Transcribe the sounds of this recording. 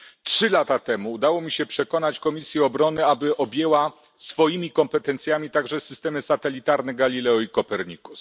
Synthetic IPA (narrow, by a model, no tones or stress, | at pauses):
tʂɘlat̪at̪ɛmuːd̪awɔmʲiɕɛpʂɛkɔnat͡ɕkɔmʲisʲjɛɔbɾɔnɘabɘʔɔbʲjewa | sfɔjimʲikɔmpɛt̪ɛnt̪sʲjamʲit̪aɡʐɛsɘ̥st̪ɛmɘsat̪ɛlʲit̪aɾnɛɡalʲilɛɔikɔpɛɾɲikus